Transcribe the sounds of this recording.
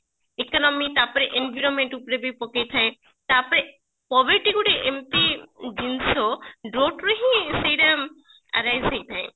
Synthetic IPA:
ekɔnɔmit̪apɔɾeʔenbʱiɾɔnmeɳʈupɾebipɔkejt̪ʰae | t̪apɔɾe | pɔbeɾʈiɡuɽeʔempid͡ʒinsɔɖɾoʈɾɔɦĩsejɾa | a̰ɾajzejt̪ʰaẽ

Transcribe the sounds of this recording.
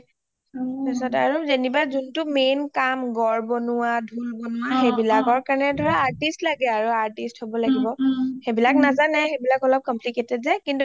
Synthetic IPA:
tasɔta̰ɹuzenibazuntʊmenkamɡɔɹbɔnʊwadʱulbonʊwaxebilakɔɹkaɹanɛdʱɔɹaːɹtistlaɡɛaɹuaɹtisthobɔlaɡibɔxebilaknazanɛxebilakɔlɔb̚kɔmpliketɛtzɛkintu

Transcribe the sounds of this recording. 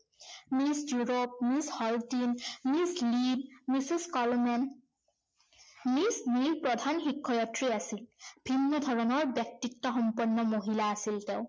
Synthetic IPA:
misjuɹop̚mishɔltinmislib̚misiskɔlmɛn | misnibpɹɔdʱanxikʰːɔjatɹiasilb̥ʱinːɔdʱɔɹɔnɔɹbjɛk̚titːɔxɔmpɔnːɔmoɦilaːsilteʊ

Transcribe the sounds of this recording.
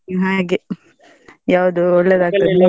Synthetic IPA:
ɦaɡe | jaːʋd̪uɔɭːed̪aːɡ̚t̪ɐd̪

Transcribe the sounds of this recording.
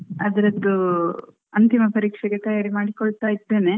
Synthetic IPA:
ɐd̪ɐɾɐd̪ːu | ɐnt̪imɐpɐɾiːkʂɛɡet̪ɐjaːɾimaːɽikoɭt̪aːjid̪ːe̞ːne̞

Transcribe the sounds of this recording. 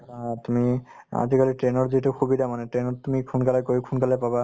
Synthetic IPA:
t̪umia̰zikalitɹenɔɹzitʊxubidamanɛtɹenɔtumikʰunkalajkojikʰunkalajpaba

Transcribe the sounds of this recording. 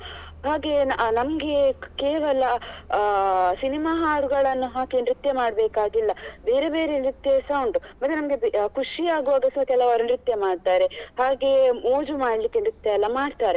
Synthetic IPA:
ɦaːɡe̞nɐmɡe̞keːʋɐlɐ | sinimaːɦaːɾuɡɐɭɐnːuɦaːɡenɾit̪jɐmaːɽbeːkaːɡilːɐbeːɾebe̞ːɾenɾit̪jɐsɐwɳɖumɐt̪ːenɐmɡebkʰuʂiaːɡuʋaːɡɐsɐkɛlɐʋɐɾɐnɾit̪jɐmaːɖ̚t̪aːɾehaːɡe̞moːd͡ʒumaːɽlikːenɾit̪jɐɛlːɐmaːɖt̪aːɾe̞

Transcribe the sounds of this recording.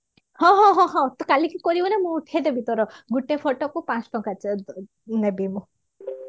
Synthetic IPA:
hɔ̃ɦɔ̃ɦɔ̃ɦɔ̃t̪ɔkalikikɔɾibɔnɛmũuʈʰied̪ebit̪ɔɾɔɡuʈepʰɔʈɔkupãt͡sʈɔkat͡ʃ | nebibũ

